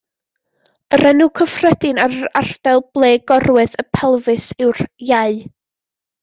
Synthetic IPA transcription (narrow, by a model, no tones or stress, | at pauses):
əɾɛnukʰəfrədɪnaɾəar̥d̥ɛlˠb̥lˠeːɡɔrwɨðəpʰɛlˠvɨsɪwrjaɨ